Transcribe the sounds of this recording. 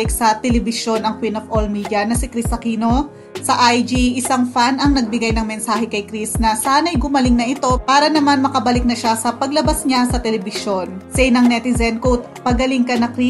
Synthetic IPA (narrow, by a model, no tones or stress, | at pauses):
ɪksɐt̪ɛlɛbɪʃo̞nɐŋkwinofʔolmiːd̪jɐnɐsɪkɾisɐkiːno̞ | sɐʔajd͡ʒiʔɪsaŋfanɐŋnɐɡ̚bɪɡajnɐŋmɛnsaːhɛkɐjkɾisnɐsaːnɐjɡʊmɐlɪŋnɐʔɪt̪o̞paːɾɐnɐmanmɐkɐbɐlɪk̚nɐʃasɐpɐɡlɐbasɲasɐt̪ɛlɛbɪʃo̞nsɛjnɐŋnɛt̪ɪzɛnkowt̪̚pɐɡɐliŋkɐnɐkɾi